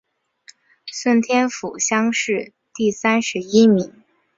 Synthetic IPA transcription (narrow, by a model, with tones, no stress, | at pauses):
swə˥˩nt̪ʰjɛ˥nfu˨˩ɕjɑ˥ŋʂɻ̩˥˧ | t̪i˥˩sa˥nʂɻ̩˧˥i˥mi˨˩˦ŋ